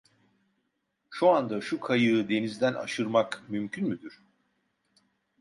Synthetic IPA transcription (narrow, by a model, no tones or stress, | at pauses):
ʃuand̪aʃukʰajɯːd̪e̞nizd̪ænʔa̰ʃɯɾmakmymcʰynmyd̪yɾ̥